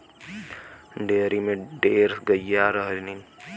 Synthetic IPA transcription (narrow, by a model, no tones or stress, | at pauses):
ɖeːɾimẽɖeːɾsɡəjːaːɾɐɦɾinin